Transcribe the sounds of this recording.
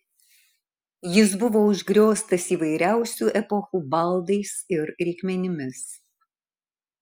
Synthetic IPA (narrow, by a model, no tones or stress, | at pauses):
jɪs̬bʊʋoːʊʒʲɡɾʲoːst̪ɐsiːʋɐɪɾʲæˑʊsʲuːʔɛpɔxuːbɐlˠd̪ɐɪsɪɾɾʲɛɪkʲmʲɛnʲɪmʲɪs